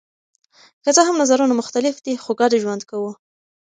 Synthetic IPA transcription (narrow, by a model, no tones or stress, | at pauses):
kət͡səɦamnazaɾunamʊxt̪alɪfd̪ixoɡɑɖeʒwand̪kawu